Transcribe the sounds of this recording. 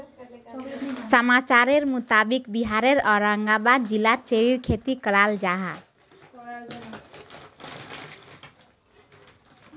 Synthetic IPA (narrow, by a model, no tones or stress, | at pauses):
səmat͡ʃaɾeɾmut̪abikbiɦaɾeɾʌɾaŋɡabad̪̚d͡ʒilːat͡ʃeɾiɾkʰet̪ikəɾald͡ʒaɦa